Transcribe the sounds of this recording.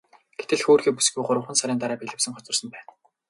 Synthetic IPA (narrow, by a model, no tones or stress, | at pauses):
ɡ̥et̪ɘ̆ɮxoːrxiːpusɡʲujɢʊɾə̆wχə̆nsaɾʲiːnt̪aɾæːpeɮɘ̆wsɘ̆ŋχɔt͡sɞ̆rsə̆mpæːn